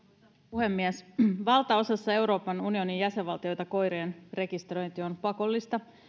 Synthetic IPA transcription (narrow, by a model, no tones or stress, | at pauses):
puhe̞mːiɛsʋɑlt̪ɑo̞sɑsːɑe̞wɾo̞ːpɑnunio̞nijæseʋʋɑlt̪io̞jt̪ɑko̞jɾeenre̞kist̪ro̞jnt̪io̞npɑko̞lːist̪ɑ